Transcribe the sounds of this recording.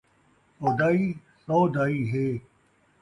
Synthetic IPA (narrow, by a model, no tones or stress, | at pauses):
oːd̪aːiː | sɔːd̪aːiːɦeː